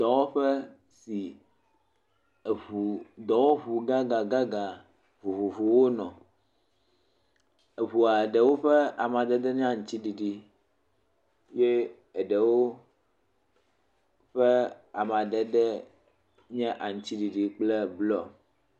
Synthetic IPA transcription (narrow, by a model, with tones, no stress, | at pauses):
t̪ɔ˨wo˦ɸɛ˦ | si˨ | u˨d̪ɔ˨wo˦βu˨ɡa˦ɡa˨ɡa˦ɡa˨ | vu˨vu˨vu˨wo˦nɔ̃˨ | e˨βu˨a˨ɖɛ˨wo˦ɸɛ˦a˨mã˨d̪ɛ˦d̪ɛ˦ɲ˦ã˦˨ŋ̩˨˦t͡ɕi˦ɖi˨ɖi˨ | je˦ | ɛ˨ɖɛ˨wo˦ | ɸɛ˦a˨m˨ã˨dɛ˨ɖɛ˦ | ɲɛ̃˦ʔa˨ŋũ˨t͡ɕi˦ɖi˨ɖi˨k͡plɛ˦blɔ˦˨